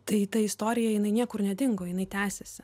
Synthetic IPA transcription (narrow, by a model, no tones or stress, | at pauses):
t̪ɐɪt̪ɐɪst̪oːɾʲɪjɛjɪnɐɪnʲiɛkʊrnʲɛd̪ʲɪŋɡoːjɪnɐɪt̪ʲæːsʲɛsʲɪ